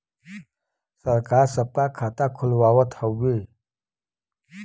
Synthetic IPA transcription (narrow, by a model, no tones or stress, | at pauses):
səɾkaːɾsəp̚kakʰat̪akʰʊlwawət̪ʰəwwi